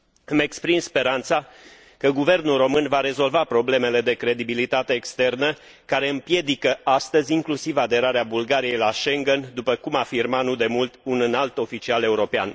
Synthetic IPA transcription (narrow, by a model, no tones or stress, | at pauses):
ɨme̞kspɾinspe̞ɾant̪sa | kəɡuve̞rnulro̞mɨnvaɾe̞zo̞lvapɾo̞ble̞me̞le̞d̪e̞kɾe̞d̪ibilit̪at̪e̞ːkst̪e̞rnə | kaɾe̞ɨmpje̞d̪ikəʔast̪əzʲiŋklusivad̪e̞ɾaɾeabulɡaɾije̞jlaʃe̞ŋɡe̞nd̪upəkumafirmanud̪e̞mult̪unɨnalt̪o̞fit͡ʃiale̞uɾo̞pea̰n